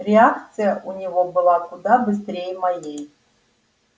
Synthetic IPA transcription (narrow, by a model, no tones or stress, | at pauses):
ɾʲɪakt̪sɨjəʔunʲɪvobɨlˠakʊd̪abɨst̪ɾʲejmɐjej